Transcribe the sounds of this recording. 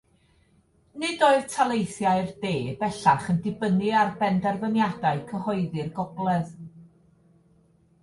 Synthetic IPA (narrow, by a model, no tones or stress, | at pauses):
nɨdoɨðtʰalˠejθjaɨrdeːbɛɬaχəndɪbənɨarbɛndɛrvənjadaɨkʰəhɔɨðɨrɡɔblˠɛð